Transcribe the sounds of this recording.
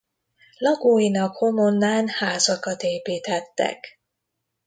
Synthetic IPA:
lɒɡoːjinɒkho̞monːaːnhaːzɒkɒt̪eːpiːt̪ɛt̪ːɛ̰k

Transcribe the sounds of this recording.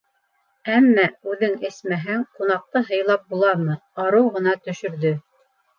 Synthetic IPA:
æmːæʉðɘŋɘ̆smæɦæŋqunɑq̚t̪ɤɦɤ̆jlˠɑp̚bulˠɑɾmɤɑɾɤwʁɤ̆n̪ɑt̪ɵ̆ʃɵ̆ɾðɵ

